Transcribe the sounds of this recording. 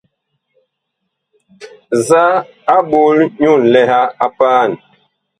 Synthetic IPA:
za˦ | a˦ɓo˨˦lɲu˦˨nlɛ˦ha˦a˦paː˦˨n

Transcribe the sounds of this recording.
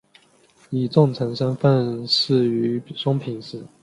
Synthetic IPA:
i˨˩t͡sʊ˥˩ŋʈ͡ʂʰə˧˥ŋʂə˥nfə˥˧nʂɻ̩˥˩y˧˥ʂʊ˥ŋpʰi˧˥ŋʂɹ̩˨˩˦

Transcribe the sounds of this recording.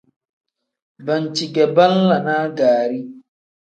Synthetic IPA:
bɐ˨nt͡ʃi˨ɡɛ˨bɐ˦nla˨naː˦ɡaː˨ɾi˦

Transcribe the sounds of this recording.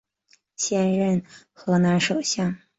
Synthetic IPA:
ɕjɛ˥˧nɻə˥˩n | xɤ˧˥na˧˥nʂo˨˩ʊɕjɑ˥˩ŋ

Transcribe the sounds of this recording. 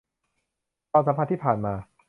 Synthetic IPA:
ɔː˧sa˧˦mʰa˧t̪ʰiː˥˩pʰaː˨˩nmaː˧

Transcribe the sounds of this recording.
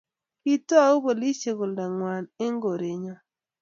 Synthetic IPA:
ki˦to˦a˦u˦bo˨li˦se˨kʊ˨lda˨ŋwa˨ne˦ŋɡo˨ɾe˨ɲɔ˦

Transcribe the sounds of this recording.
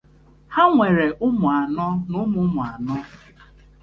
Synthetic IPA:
ha˦ŋʷe˨ɾe˨ʔʊ˦mʊ˨a˨nɔ˦nʊ˦mʊ˨˦mʊ˨a˨nɔ˦

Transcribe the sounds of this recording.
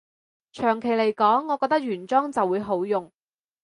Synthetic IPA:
t͡ʃʰœː˨˩ŋkʰe˨˩jle˨˩jkɔː˨˥ŋːɔː˨˧kɔː˧k̚t̪ɐ˥k̚jyː˨˩nt͡sɔː˥ŋt͡sɐ˨wːuː˨˧jɦo˨˥wjʊ˨ŋ

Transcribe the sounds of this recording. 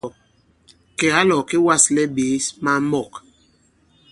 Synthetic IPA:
kɛ˨ɣa˦lɔ˨ke˦wa˦˨slɛ˦ɓe˨˦sma˦mɔ˦˨k

